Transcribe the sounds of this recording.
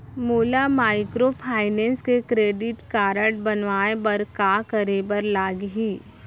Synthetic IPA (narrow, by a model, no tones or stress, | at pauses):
moːlamaːɪkɾopʰaːɪnɛ̃ːnskekɾeːɖɪʈkaːɾəʈ̚bɐnʋaːebɐɾkaːkɐɾeːbəɾlaːɡɦiː